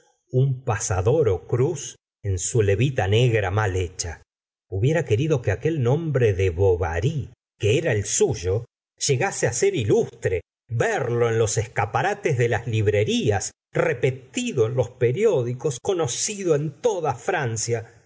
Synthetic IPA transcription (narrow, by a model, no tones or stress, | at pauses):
umpasaðo̞ɾokɾus | e̞nsule̞βit̪ane̞ɣɾamalet͡ʃa | uβje̞ɾake̞ɾiðo̞keake̞lnõmbɾeðeβoβa̰ɾi | keeɾaelsuʒo̞ | ʒ̥eɣaseaseɾilust̪ɾe | βeɾlo̞e̞nlo̞seskapaɾat̪ezðe̞lazliβ̞ɾe̞ɾias | repe̞t̪iðo̞enlo̞speɾjo̞ðiko̞sko̞no̞siðoent̪oðafɾansja